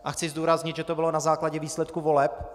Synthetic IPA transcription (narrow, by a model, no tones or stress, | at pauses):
ʔaxt͡sɪzd̪uːɾazɲɪd̪ʒɛt̪obɪlo̞nazaːklaɟɛviːslɛt̪̚kuvo̞lɛp̚